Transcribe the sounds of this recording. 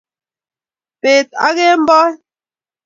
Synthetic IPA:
pe˨t̚a̰˦ɣe˦m̩˦bɔ˦

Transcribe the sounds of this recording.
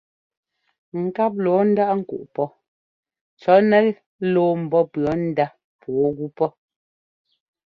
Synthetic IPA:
ŋ̩˨ka˦p̬̚lɔː˨˦n̩˦da˦ʔŋ̩˦˨kṵ˨ʔpɔ˦ | t͡ʃɔ˨˦nɛ˦ | loː˦m̩˨bɔ˦pɰɔ˨˦n̩˦da˦ | pwɔ˨˦ɣu˦pɔ˦

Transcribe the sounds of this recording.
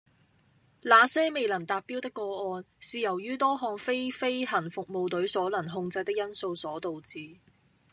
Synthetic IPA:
laː˨˧sɛː˥me˨jlɐ˨˩t̪aː˨p̚ːiː˥wt̪ɪ˥kːɔː˧ɔː˧n | siː˨jɐ˨˩wjyː˥t̪ɔː˥ɦɔː˧ŋfe˥jfe˥jhɐ˨˩nfʊ˨k̚mo˨wt̪ɵ˨˥ɥsɔː˨˥lɐ˨˩nɦʊ˧ŋt͡sɐ˧jt̪ɪ˥k̚jɐ˥nso˧wsɔː˨˥t̪o˨wt͡siː˨

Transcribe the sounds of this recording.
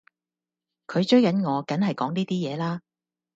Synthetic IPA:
kʰɵ˨˧ɥt͡ʃɵ˥ɥjkɐ˨˥nŋɔː˨˧kɐ˨˥nɦɐ˨jkɔː˨˥ŋniː˥t̪iː˥jɛː˨˧laː˥

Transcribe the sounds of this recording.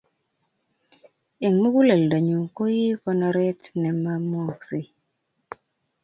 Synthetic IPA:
e˨ŋmu˦ku˦le˨lda˨ɲu˨ŋ˨ko˦ji˦kɔ˦nɔ˧ɾɛ˦tnɛ˨ma˦mwɔ˦˨ksi˦

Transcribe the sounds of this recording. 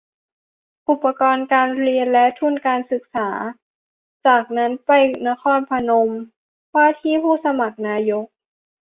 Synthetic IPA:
ʔu˨˩pːa˧kɔː˧nkaː˧nɾi˧ənlɛ˦˥t̪ʰu˥˩˨nkaː˧nsɯ˨˩k̚saː˩˦ | t͡ɕaː˨˩k̚na˦˥npa˧˩jna˦˥kʰɔː˧˥npʰa˧no˧m | waː˥˩t̪ʰiː˥˩˨pʰuː˥˩sa˧ma˨˩k̚naː˧jo˦˥k̚

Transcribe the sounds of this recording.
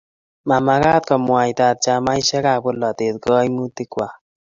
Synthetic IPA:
ma˨ma˨kaː˦t̪̚kɔ˨mwa˨jt̪a˧t̪̚t͡ʃa˧ma˦jʃɛ˦ka˨pʊ˦lːɔ˨t̪e˨t̪̚ɡɔː˦jmu˦t̪ɪ˦kwa˨

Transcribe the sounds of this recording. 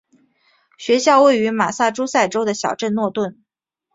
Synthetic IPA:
ɕɥɛ˧˥ɕjɑ˥˧ʊwe˥˩ɪy˧˥ma˨˩sa˥˩ʈ͡ʂu˥sa˥˩ɪʈ͡ʂo˥ʊd̪ə˨ɕjɑ˨˩ʊʈ͡ʂə˥˧nnwɔ˥˧t̪wə˥˩n

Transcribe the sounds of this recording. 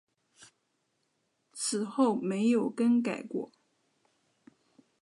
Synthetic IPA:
t͡sʰɹ̩˨˩xo˥˩ʊme˧˥ɪjo˨˩ʊkə˥nka˨˩ɪkwɔ̰˨˩˦

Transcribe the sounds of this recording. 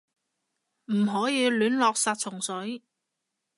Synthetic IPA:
m̩˨˩ɦɔː˨˥jiː˨˧lyː˨˥nlɔː˧k̚saː˧t̚t͡sʰʊ˨˩ŋsɵ˨˥ɥ

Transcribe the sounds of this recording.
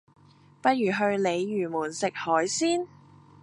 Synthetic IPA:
pɐ˥t̚jyː˨˩ɦɵ˧ɥle˨˧jjyː˨˩muː˨˩nsɪ˨k̚hɔː˨˥jsiː˥n

